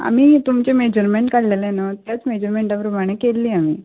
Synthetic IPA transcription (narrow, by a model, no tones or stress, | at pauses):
a̰miːt̪umt͡ɕemed͡ʑəɾmeɳʈkaɽlelenat̪jat͡smed͡ʑəɾmeɳʈapɾəmaɽ̃ekelːiːamḭː